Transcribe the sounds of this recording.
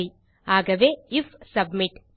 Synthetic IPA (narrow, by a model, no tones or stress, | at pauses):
i | aːɡɐʋeifsɐbmiʈ